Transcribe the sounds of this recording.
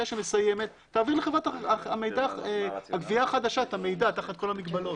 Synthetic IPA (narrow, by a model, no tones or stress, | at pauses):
aʃeme̞sajeme̞t̪ːaːviʁleχevʁat̪aamejd̪aehaɡviaːχad̪aʃat̪hame̞jdat̪aχat̪̚ko̞lamiɡbalo̞t